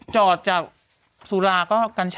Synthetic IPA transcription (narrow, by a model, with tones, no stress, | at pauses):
t͡ɕɔː˨˩t̪̚t͡ɕaː˨˩k̚ | su˨˦laː˧kɔː˥˩ka˧nt͡ɕʰ